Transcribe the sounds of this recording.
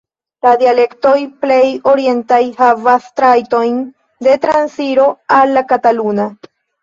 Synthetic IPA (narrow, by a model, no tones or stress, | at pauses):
ladiale̞kto̞jple̞jo̞ɾie̞ntajhavastɾajto̞jn | de̞t̪ɾansiɾo̞alːakataluna